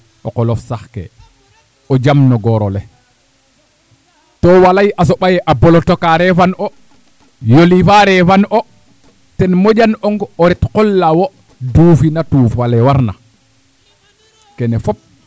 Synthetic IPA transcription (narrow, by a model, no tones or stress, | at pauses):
ʔɔ̰kɔlɔfsaxkɛ̰ | ɔd͡ʒamnɔɡɔɾɔlɛ | tɔwalajʔas̬ɔɓajɛʔabɔlɔtɔkaɾɛfanʔɔ | jolifaɾɛfanʔɔ | tɛnmɔd͡ʒanɔŋɡɔɾɛtkɔlːawɔ | duːfinatuːfalɛwaɾna̰ | kɛnɛfɔp̚